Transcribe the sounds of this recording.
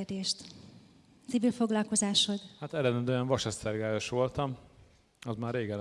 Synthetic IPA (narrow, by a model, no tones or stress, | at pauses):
rd̪eːʃt̪ | t̪sivilfo̞ɡlɒlko̞zaːʃo̞d̪hat̪ɛlɛnɛd̪øɛɱvɒʃɛsɛrɡaːjoʃʋo̞lt̪ɒm | ɒzmaːrːeːɡɛl